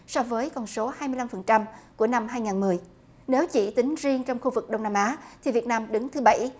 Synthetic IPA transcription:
sɔ˧vəː˨˦jkɔ˨˩nso˨˦haː˧jmɨ˧əla˧mfə˨˩nt͡ɕa˧mku˧˩əna˧mɦaː˧jŋaː˨˩nmɨ˨˩əj | ne˨˦wt͡ɕi˧˩t̪ï˨˦ŋ̟zi˧əŋt͡ɕɔ˧wŋ͡mxu˧vɨ˨˩k̚ɗə˧wŋ͡mnaː˧mʔaː˨˦t̪ʰi˨˩vi˨˩ət̚naː˧mɗɨ˨˦ŋt̪ʰɨ˨˦ɓa˧˩j

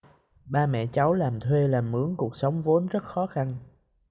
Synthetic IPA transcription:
ɓaː˧mɛ̰˧˨t͡ɕa˨˦wlaː˨˩mt̪ʰwe˧laː˨˩mʔɨ˨˦əŋku˨˩ək̚sə˨˦wŋ͡mvo˨˦nzə˦˥t̚xɔ˨˦xa˧n

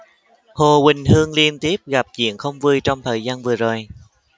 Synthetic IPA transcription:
ho˨˩wï˨˩ŋ̟hɨ˧əŋli˧ənt̪i˦˥əp̚ɣa˨˩p̚t͡ɕḭ˧˨ənxə˧wŋ͡mvɨ˧jt͡ɕɔ˧wŋ͡mt̪ʰəː˨˩jzaː˧nvɨ˨˩əzo˨˩j

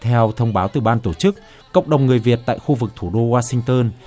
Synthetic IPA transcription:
t̪ʰɛ˧wt̪ʰə˧wŋ͡mɓaː˨˦wt̪ɨ˨˩ɓaː˧nt̪o˧˩t͡ɕɨ˦˥k̚ː | ə̰˧˨wŋ͡mɗə˨˩wŋ͡mŋɨ˨˩əjvi˨˩ət̚t̪a̰ː˧˨jxu˧vɨ˨˩k̚t̪ʰu˧˩ɗo˧waː˧sï˧ŋ̟t̪əː˧n

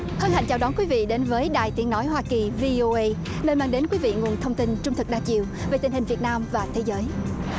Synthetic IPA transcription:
hə˧nha̰˧˨ŋt͡ɕaː˧˩wɗɔ˨˦nkwi˨˦vḭ˧˨ɗe˨˦nvəː˨˦jɗaː˨˩jt̪i˨˦əŋnɔ˨˦jɦwaː˧ki˨˩vi˧o˧ʔə˧j | nəː˧nmaː˧ŋɗe˨˦nkwi˨˦vḭ˧˨ŋu˨˩ənt̪ʰə˧wŋ͡mt̪i˧nt͡ɕʊ˧ŋ͡mt̪ʰɨ˨˩k̚ɗaː˧t͡ɕḭ˧˨əwve˨˩t̪ï˨˩ŋ̟hï˨˩ŋ̟vi˨˩ət̚naː˧mvaː˨˩t̪ʰe˨˦zəː˨˦j

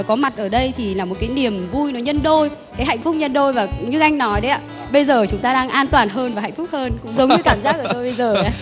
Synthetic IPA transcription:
kɔ˨˦ma˨˩t̚ʔəː˧˩ɗə˧jt̪ʰi˨˩laː˨˩mo˨˩kaː˨˦jni˨˩əmvu˧jnɔ˨˦ɲə˧nɗo˧j | kaː˨˦jɦa̰˧˨jŋ̟fʊ˦˥k͡p̚ɲə˧nɗo˧jvaː˨˩ɲɨ˧ʔa˧jŋ̟nɔ˨˦jɗə˨˦ja̰ː˧˨˩ | ɓə˧jzəː˨˩t͡ɕʊ˨˦ŋ͡mt̪aː˧ɗaː˧ŋʔaː˧nt̪waː˨˩nɦəː˧nvaː˨˩ha̰˧˨jŋ̟fʊ˦˥k͡p̚həː˧nkʊ̰˧˥ŋ͡mzə˨˦ŋ͡mɲ˧ɨ˧kaː˧˩mzaː˦˥k̚ʔəː˩˧˩t̪o˧jɓə˧jzəː˨˩aː˨˦

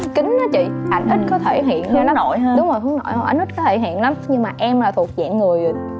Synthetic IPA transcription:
kï˨˦ŋ̟nɔ˨˦t͡ɕḭ˧˨ʔa˨˧˩jŋ̟ʔi˦˥t̟̚kɔ˨˦t̪ʰe˧˩ɦḭ˧˨ən˨˧nɔ˨˦no̰˧˨jɗʊ˨˦ŋ͡mzo˨˩fɨ˨˦əŋno̰˧˨jhʔa̰˧˩j̟̪i˦˥t̚kɔ˨˦t̪ʰe˧˩ɦḭ˧˨ənla˨˦mɲɨ˧ŋmaː˨˩ʔɛ˧mlaː˨˩t̪ʰu˨˩ək̚zɛ̰ː˧˨ŋɨ˨˩əj

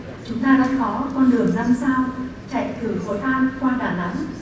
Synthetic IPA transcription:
t͡ɕʊ˨˦ŋ͡mt̪aː˧la̰ː˧˥kɔ˨˦kɔ˧nɗɨ˨˩əŋzaː˧msaː˧wt͡ɕa̰˧˨jt̪ʰɨ˨˩xo˨˦t̪ʰaː˧nkwaː˧ɗaː˧˩na̰˨˦ŋ

